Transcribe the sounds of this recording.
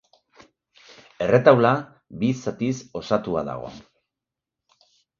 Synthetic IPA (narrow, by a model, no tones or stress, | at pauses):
e̞re̞t̪awla | bisat̪iso̞sat̪ua̰ða̰ɣ̞o̞̰